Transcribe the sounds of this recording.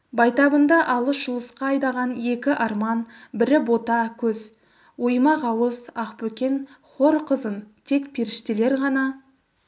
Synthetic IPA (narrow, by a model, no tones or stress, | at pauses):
bɑjt̪ɑbənd̪ɑʔɑlˠəsʒ̥əlˠəsqɑːjd̪ɑʁɑne̞kʲɪʔɑɾmɑnbɪɾɪbo̞t̪ɑkʲʰɵz | wojmɑʁɑwəsɑqpɵkʲe̞n | χo̞ɾqəzənt̪ʰe̞kpʰeɾɪʃt̪ele̞ɾʁɑnɑ